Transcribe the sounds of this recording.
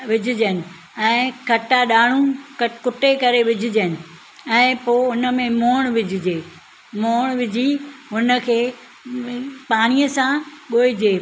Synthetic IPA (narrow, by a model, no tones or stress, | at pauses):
ʋɪd͡ʑʱɪd͡ʑənɪ̆ | ɛ̃ːkʰɐʈaɗaːɽ̤̃ũkɐkʊʈekɐɾeʋɪd͡ʑʱɪd͡ʑənɪ̆ | ɛ̃ːpoːɦʊnə̆mẽmoːɽ̃ʋɪd͡ʑʱɪd͡ʑeː | moːɽ̃ʋɪd͡ʑʱiɦʊnə̆kʰeː | paːɽ̃ijəsãɠoːid͡ʑeː